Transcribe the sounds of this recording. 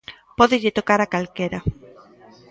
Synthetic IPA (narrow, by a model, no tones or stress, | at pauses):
pɔðɪʎɪt̪okaɾakalkeɾɐ